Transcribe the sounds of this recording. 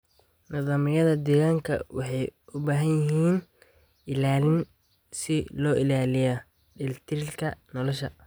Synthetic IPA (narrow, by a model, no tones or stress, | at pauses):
nɑðɑːmɪjɐðɐd̪ɛːɣaːŋkʰɐ̰wɑħɑjʊbaːɦɐnjɪɦiːn | ʔɪlaːlɪn | sɪlɔːʔɪlaːlɪjɐ | ɖɪlɪt̪ʰɪɾɪlkʰɐnɔlɔʃɐ̰